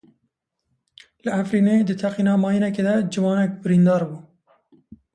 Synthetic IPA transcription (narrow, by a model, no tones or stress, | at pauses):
lɨæfɾiːneːd̪ɨt̪ʰɛqiːnɑːmɑːjinɛkeːd̪ɛd͡ʒɨwɑːnɛk̚bɪɾiːnd̪ɑːɾbuː